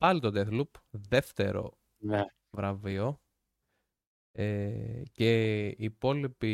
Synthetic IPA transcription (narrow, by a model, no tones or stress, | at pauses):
pɐlit̪o̞d̪eθlupðe̞ft̪e̞̰ɾo̞̰ | ne | vɾɐvio̞ | ece̞ipo̞lipi